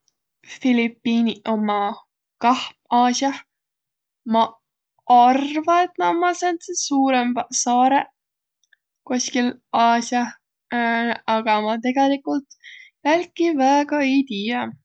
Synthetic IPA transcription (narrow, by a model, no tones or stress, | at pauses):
filipːiːnio̞mɑ | kɑhmɑːsjɑ | mɑ | ɑrvɑet̪ːˑnɑmɑsensesuːɾemsɑːɾe | koskilɑːsjɑ | ɑɡ̥ɑmɑt̪e̞ɡ̥elikult̪jælʲkːivæːɡɑejt̪iːjɑ